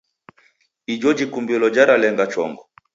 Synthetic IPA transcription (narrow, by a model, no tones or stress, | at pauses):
id͡ʒɔd͡ʒikumbɔlɔd͡ʒaɾalɛŋɡat͡ʃɔ̰ŋɡɔ